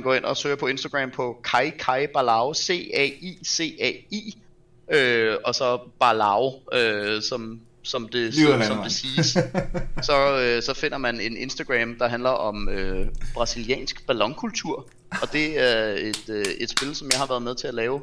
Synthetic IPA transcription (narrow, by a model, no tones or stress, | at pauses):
nɡ̥ɒ̰ːen̰ɒ̽søːɐpʰɒ̽e̝nsd̥ɐɡ̥ʁɛːmpʰɒ̽kʰɑ̈ɪkʰɑ̈ɪb̥ælɑ̈ʊse̝̰ɛ̰ise̝̰ːɛḭː | øɒ̽sɒ̽b̥ɑlɑ̈ʊøsɒ̽m | sɒ̽md̥e̝sɒ̽md̥e̝siːs | sɒ̽øsɒ̽fe̝n̰ɐmæne̝ne̝nsd̥æɡ̥ʁɛmd̥ɑ̈ɦænlɐʔɒ̽møb̥ʁɑ̈siliɛ̰ːnsɡ̥b̥ælɒ̽ŋkʰult͡sʰuɐ̰ | ɒ̽d̥e̝æɐe̝d̥øe̝d̥sb̥e̝ləsɒ̽mjɑ̈ɪhɑʋæɐð̞ˠmeðˠt͡sʰe̝ælɛːʊ